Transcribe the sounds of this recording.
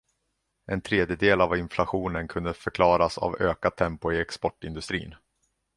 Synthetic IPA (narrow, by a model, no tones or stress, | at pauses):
ʔɛnt̪ʰɾeːd̪jəd̪eːlavɪnflaɧuːnənkʰɵnd̪əfœɾkʰlɑːɾasa̰vøːkad̪t̪ʰːɛmpʊɪɛkspɔʈːɪnd̪ɵst̪ɾḭːn